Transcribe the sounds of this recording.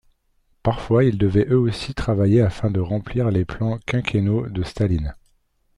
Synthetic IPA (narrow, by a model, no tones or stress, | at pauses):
paʁfwaild̪əvɛʔøosit̪χavajeafɛ̃d̪əʁɑ̃pliʁleplɑ̃kʲɛ̃kʰʲenod̪əst̪alin